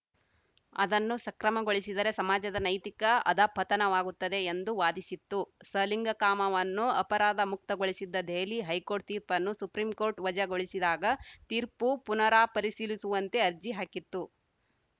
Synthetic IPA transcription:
ɐ̰d̪ɐnːusɐkɾɐmɐɡoɭisid̪ɐɾe̞sɐmaːd͡ʒɐd̪ɐnɐjt̪ikɐɐ̰d̪aːpʰːɐt̪ɐnɐʋaːɡut̪ːɐd̪e̞ːnd̪uʋaːd̪isit̪ːusɐliŋɡɐkaːmɐʋɐnːuɐpɐɾaːd̪ɐmuk̚t̪ɐɡoɭisid̪ːɐd̪ʱeːliɦɐjko̞ːɾʈ̚t̪iːɾpɐnːusupɾiːmko̞ːɾʈʋɐd͡ʒɐɡoɭisid̪aːɡɐt̪iːɾpupunɐɾaːpɐɾisiːlisuʋɐnt̪e̞ɐɾd͡ʒiɦaːkit̪ːu

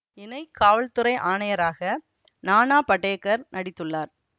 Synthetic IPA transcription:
ɪnɐɪkʰːaːʋɐɭt̪ɯɾɐɪʔaːɳɐjɐɾaːɣɐ | naːnaːpɐʈːeːkːɐɾnʔɐɽɪt̪ːɯɭːaːɾ

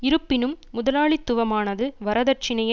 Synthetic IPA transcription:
ɪɾɯpːɪnɯmːʊðɐlaːɭit̪ːʊʋɐmaːnɐðɯʋɐɾɐðɐrt͡ʃɪnɐjɐ

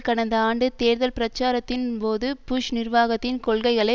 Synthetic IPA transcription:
kɐɳɐnd̪ɐaːɳɖɯt̪eːɾðɐlpɪɾɐt͡ʃːaːɾɐt̪ːɪnpoːðɯpʊʃnɪrʋaːɣɐt̪ːɪnkɔɭɣɐɪɣɐɭɐ

